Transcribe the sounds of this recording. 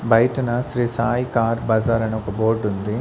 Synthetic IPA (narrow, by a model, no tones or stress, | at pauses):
bʱɐjʈɐnɐsɾiːsaːjkaːɾbɐzaːɾɐnɐɔkɐboːɾɖund̪i